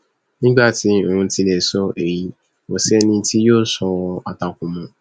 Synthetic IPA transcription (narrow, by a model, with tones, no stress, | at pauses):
nĩ˦ɡ͡ba˦˨tĩ˨˦˨ũ˧ti˧le˨sɔ˧ʔe˨ji˧˦ | mo˧sɛ˦nĩ˧˦ti˦joː˦sɔ̃˧ɔ˧a˨ta˨kũ˨mɔ̃˨